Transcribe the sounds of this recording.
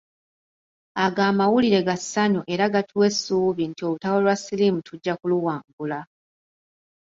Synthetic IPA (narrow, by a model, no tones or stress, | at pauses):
aɡaːmawuliɾe̞ɡasːaɲoʔe̞ɾaɡatʰuwe̞sːuːβintio̞lutawolwasilimutʰuɟːakuluwaːŋɡula